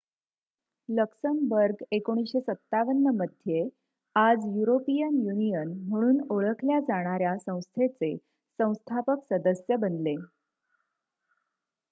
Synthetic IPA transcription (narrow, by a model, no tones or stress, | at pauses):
ləksəmbəɾɡekoɽ̃isɕesət̪ːaʋənːəməd̪ʱje | ad͡zjuɾopijənjunijənm̤əɽ̃uːnoɭəkʰljad͡zaɽ̃aɾjasə̃w̃st̪ʰet͡se | sə̃w̃st̪ʰapəksəd̪əsjəbənle